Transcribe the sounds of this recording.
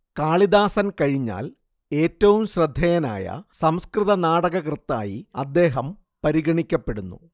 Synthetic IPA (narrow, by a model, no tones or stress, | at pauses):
kaːɭid̪aːsɐnkɐɻiɲːa̰ːl | e̞ːtːɐʋumɕrɐd̪ʱːɐjɐna̰ːjɐ̰sɐmskrɨðɐnaːɽɐɣɐkrɨt̪ːa̰ːjiɐd̪ːe̞ːɦɐm | pɐɾiɣɐɳikʲːɐpːe̞ɽunːṵ